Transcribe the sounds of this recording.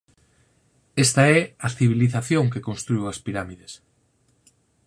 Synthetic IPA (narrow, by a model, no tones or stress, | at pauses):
est̪aɛɐθiβ̞iliθaθjõŋkekonst̪ɾujwɐspiɾamiðes